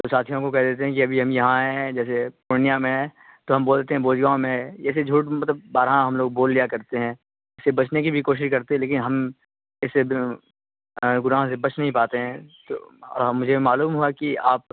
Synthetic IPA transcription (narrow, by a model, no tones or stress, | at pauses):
t̪osaːt̪ʰijõkokɛɦd̪eːt̪eɦɛ̃kiɐbʱiɦɐmjɐɦãɦɛ̃d͡ʒɛːsepʊɾnijamẽɛ̃ | t̪oɦɐ̃mboːlt̪eɦɛ̃boːd͡ʒɡaːõmẽjɛːsed͡ʒʱuːʈmɐt̪ləb̚ːaːɾɦãɦɐmloːɡ̚boːlːijakɐɾt̪eɦɛ̃ː | ɪsːebɐt͡ʃʰnekibʱikoːʃ̬ɪʃkɐɾt̪eɦɛ̃leːkɪnɦɐm | ɪsːe | ɡʊnaːɦsebɐt͡ʃnɐɦĩpaːt̪eɦɛ̃t̪o̰ːɔ̰ːɾɦmʊd͡ʒʱemaːluːmɦuakiaːp̚